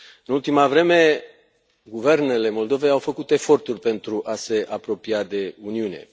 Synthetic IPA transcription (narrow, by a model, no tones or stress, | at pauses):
ɨnult̪imavɾe̞me̞ | ɡuve̞rne̞le̞mo̞ld̪o̞ve̞jawfəkut̪e̞fo̞rt̪urʲpe̞nt̪ɾuʔase̞ʔapɾo̞piad̪e̞uniune̞̰